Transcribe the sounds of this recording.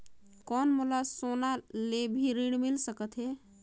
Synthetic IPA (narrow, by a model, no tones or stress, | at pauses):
kɔnmulasonalebʱiɾiɽmilsəkət̪ɦɛ